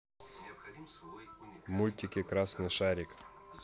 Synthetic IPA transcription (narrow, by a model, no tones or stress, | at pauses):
mulʲt̪ʲɪkʲɪkɾasnɨʂaɾʲɪk